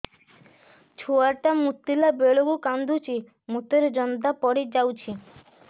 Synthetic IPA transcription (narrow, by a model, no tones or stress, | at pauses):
t͡ʃʰuaʈamut̪ːilabeɭoɡukand̪ʱut͡ɕi | mut̪eɾd͡ʒɔnd̪apɔɽid͡ʒawt͡ʃʰi